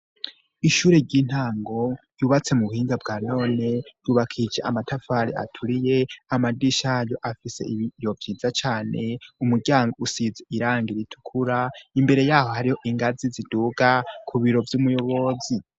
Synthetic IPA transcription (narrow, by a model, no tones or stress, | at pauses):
iʃuːɾeɾɟiːn̥haːŋɡo̞ | juβat͡se̞muβuhiːŋɡabɡaːno̞ːne̞juːβakʰid͡ʒeʔa̰matʰafaːɾia̰tʰuɾije̞amadiʃajo̞ʔafise̞̰iβijo̞vjiːzat͡ʃaːne̞umuɾɟaːŋɡo̞usizeʔiɾaːŋɡiɾitʰu̥kʰuɾaimbe̞ɾe̞jaːho̞haɾiho̞ʔiŋɡaziziduːɡakʰuβiɾo̞vjumujo̞βo̞zi